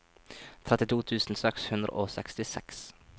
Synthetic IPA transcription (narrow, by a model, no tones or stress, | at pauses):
t̪ʰɾɛt̪ɪt̪ʰuːt̪ʰʉːsn̩sɛkshʉnd̪ɾə̰ʔoːsɛkst̪ɪsɛ̰ks